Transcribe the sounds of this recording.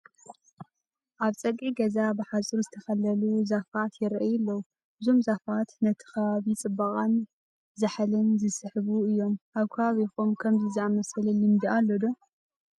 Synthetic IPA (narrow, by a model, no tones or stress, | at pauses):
ʔaβt͡sʼɐkʼːiɡɐzabɨħasʼɨɾzɨt̪ʰɐxɐlɐluzafat̪ʰjɪɾʔɐjɪlːɐwu | ʔɨzo̞mzafat̪nɐt̪ʰɨ̥kʰɐβaβit͡sʼɨbːɐqʼan | zɨħlɨnzɨsɨħɨβuɨjːo̞mʔaβkʰɐβaβixomkʰɐmziziamɐsɐlɨlɨmd̪iʔalːod̪o